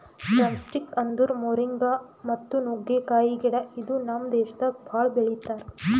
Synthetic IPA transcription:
sɾɐmsʈikɐnd̪uɾmoːɾiŋɡamɐt̪ːunuɡekaːjiɡɛɽɐid̪unamd̪ɛːʃɐd̪ɐbʱaːɭbeɭit̪ːaːɾ

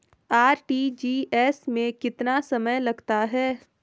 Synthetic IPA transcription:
aːɾʈiːd͡ʒiːʔɛːsmẽkɪt̪nasɐməjlɐɡt̪aɦɛː

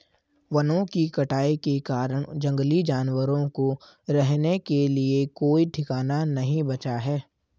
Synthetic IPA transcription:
ʋɐnõkikɐʈaːikekaːɾəɽ̃d͡ʒɐ̃ŋɡlid͡ʒaːnwəɾõko | ɾɛɦnekeliekoːiʈʰɪkaːnanɐɦĩbɐt͡ʃaɦɛː

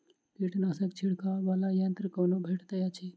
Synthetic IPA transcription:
k̪iʈnasək̚t͡ʃʰiɽ̤kaʋaːlajə̃nt̪ɾəkoːnobʱeʈʰt̪əat͡ʃʰi

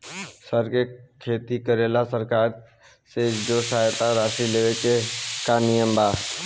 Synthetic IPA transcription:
səɾkeːkʰeːt̪iːkəɾeːlaːsəɾkaːɾ | seːd͡ʒoːsaːjt̪ãːɾaːsiːleːʋeːt͡ʃekaːnɪjəmbaː

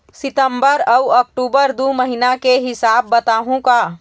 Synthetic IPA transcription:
sɪt̪əmbəɾəuək̚ʈubəɾd̪uməɦinakeɦɪsabːət̪aːɦũka

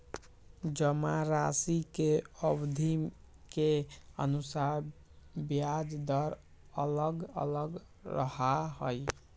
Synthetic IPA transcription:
d͡ʒəmaɾasikeəbd̪ʱim | keə̰nusaɾ | bjad͡ʒd̪əɾ | ələɡə̰ləɡ | ɾə̰ɦaɦəj

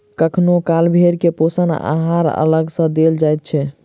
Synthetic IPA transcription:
kəkʰnokalbʱeɾkeposəna̰ɦaɾə̰ləɡsə̃d̪eld͡ʒajt̪̚t͡ʃʰɛ

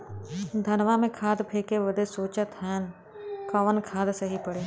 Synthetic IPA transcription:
d̪ʱənʋamẽkʰaːd̪pʰeːkeʋəd̪esoːt͡ʃət̪ɦɛːn | kəʋənkʰaːd̪səɦipəɽeː

